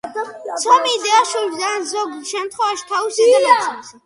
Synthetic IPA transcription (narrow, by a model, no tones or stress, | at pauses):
ssʰɔmiːd̪ɛaʃuld̪anzɔɡʃɛmt̪ʰχwɛvaʃi̥t̪ʰaisid̪ɛlɛ